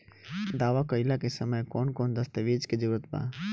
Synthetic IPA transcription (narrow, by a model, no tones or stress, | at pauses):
d̪aːʋakəɪlakesəməjkɔːnkoːnd̪əst̪əʋeːd͡ʒked͡ʒəɾət̪bã̰ː